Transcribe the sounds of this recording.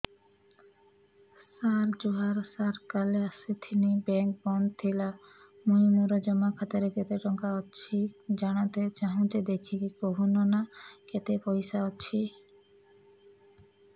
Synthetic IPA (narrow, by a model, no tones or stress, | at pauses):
saɾd͡ʒuɦaɾsaɾkaleasit̪ʰinibɛŋk̚bɔnd̪t̪ʰila | mujimuɾɔd͡ʒɔmakʰat̪ɔɾeket̪eʈɔŋkaɔt͡ʃʃʰid͡ʒaɽ̃at̪et͡ʃaɦũd͡ʒed̪ekt͡ʃʰikikoɦunɔnaket̪epɔjsaɔt͡ʃʰi